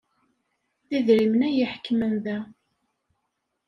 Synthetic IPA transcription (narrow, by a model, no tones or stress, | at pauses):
θiðɾimnæjəħkːmənðæ